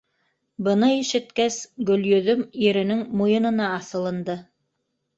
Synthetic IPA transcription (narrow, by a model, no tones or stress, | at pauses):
bɤ̆nɤiʃɘ̆t̪kæsɡɵ̆ljɵ̆ðɵmjɘ̆ɾɘ̆nɘŋmujɤ̆nɤ̆nɑːθɤ̆lˠɤ̆nd̪ɤ